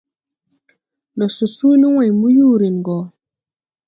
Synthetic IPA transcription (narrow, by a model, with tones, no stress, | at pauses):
ndɔ˨su˨su˦ni˦wa˨jmu˦ju˦ɾi˨nɡɔ˨